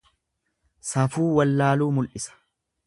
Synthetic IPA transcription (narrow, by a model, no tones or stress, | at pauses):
sɐfuːwɐlːaːluːmʊlʔɪsɐ̥